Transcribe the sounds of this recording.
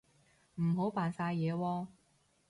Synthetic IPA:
m̩˨˩ɦo˨˥wpaː˨nsaː˧jɛː˨˧wɔː˧

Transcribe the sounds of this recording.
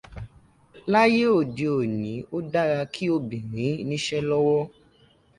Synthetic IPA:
la˦je˦o˦˨di˨o˨nĩ˨˦o˦da˦ɾa˧kʰi˦o˧bĩ˨ɾ̃ĩ˨˦nĩ˦ʃɛ˦lɔ˦wɔ˦

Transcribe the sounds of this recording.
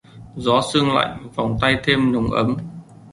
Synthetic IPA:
zɔ˨˦sɨ˧əŋla̰˧˨jŋ̟va˨˩wŋ͡mt̪a˧jt̪ʰe˧mnə˨˦wŋ͡mʔə˨˦m

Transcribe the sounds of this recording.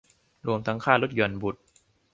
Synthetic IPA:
ɾu˧əmt̪ʰa˦˥ŋkʰaː˥˩lo˦˥t̪̚ju˨˩ənbu˨˩t̪̚

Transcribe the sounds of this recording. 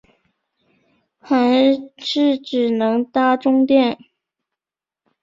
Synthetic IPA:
xa˧˥ɪʂɻ̩˥˩ʈ͡ʂɻ̩˨˩nɤ˧˥ŋt̪a˥ʈ͡ʂʊ˥ŋt̪jɛ˥˩n

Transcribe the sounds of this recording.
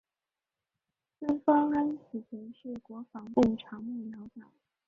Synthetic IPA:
fə˥nfɑ˥ŋa˥ns̩˨˩t͡sə˧˥nʂɻ̩˥˩kwɔ˧˥fɑ˧˥ŋpʊ˥˩ŋʈ͡ʂʰɑ˧˥ŋmu˥˩ljɑ˧˥ʊtɑ˨˩˦

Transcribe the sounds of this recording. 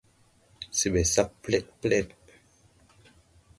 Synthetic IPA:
si˦˨ɓɛ˨sa˦pplɛ˦˨t̚plɛ˦˨t̚

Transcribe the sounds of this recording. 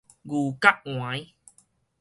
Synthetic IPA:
ɣu˨˩ka˦˥k̚ŋwa˨˦j

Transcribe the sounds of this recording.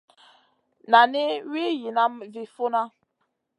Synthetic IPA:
na˨ne˦wi˦ji˨na˦mvi˨fo˦na˦

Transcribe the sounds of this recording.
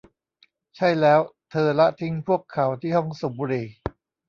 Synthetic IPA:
t͡ɕʰa˥˩jlɛː˦˥wt̪ʰɤː˧la˦˥t̪ʰi˦˥ŋpʰu˥˩əkʰːa˩˦wt̪ʰiː˥˩hɔ˥˩ŋso˨˩˦buː˧ɾiː˧

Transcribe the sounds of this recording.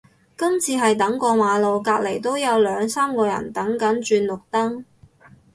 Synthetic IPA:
kɐ˥mt͡sʰiː˧ɦɐ˨jt̪ɐ˨˥ŋkɔː˧maː˨˧lo˨wkaː˧k̚le˨˩jt̪̬o˥wjɐ˨˧wlœː˨˧ŋsaː˥mkɔː˧jɐ̰˨˩nt̪ɐ˨˥ŋkɐ˨˥nt͡ʃyː˧nlʊ˨k̚t̪ɐ˥ŋ

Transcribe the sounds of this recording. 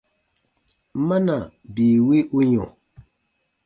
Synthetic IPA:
ma˦na˨ | bi˨wi˦ʔu˦ɲɔ̃˨

